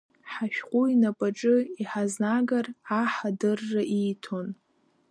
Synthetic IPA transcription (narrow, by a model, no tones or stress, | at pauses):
ħaʃᶣqʷʼuinapʼaʈ͡ʂʼɨiħaznaɡaraħadɨrːaʔijtʰon